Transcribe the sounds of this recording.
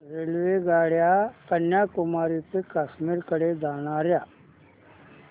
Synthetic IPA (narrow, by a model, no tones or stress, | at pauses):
ɾelʋeɡaːɽjapənjakʊmaːɾipekaːʃmiɾkəɽed̪aːñaɾjaː